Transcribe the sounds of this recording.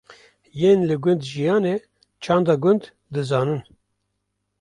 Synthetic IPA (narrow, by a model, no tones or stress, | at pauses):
jeːnlɨɡʊnd̪ʒijɑːneː | t͡ʃʰɑːnd̪ɑːɡʊnd̪ | d̪ɨzɑːnɨn